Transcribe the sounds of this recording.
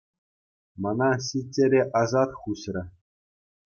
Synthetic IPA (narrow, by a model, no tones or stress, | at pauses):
mɑnɑɕitʲːɘ̆ɾʲeʔɑzɑt̪χuɕrʲɘ̆